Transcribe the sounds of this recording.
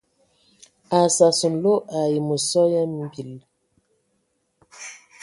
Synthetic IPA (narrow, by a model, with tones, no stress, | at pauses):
a˨sa˨su˨n˨lo˦ʔa˨ji˨mo˨sɔ˦ja˦m˦bi˨l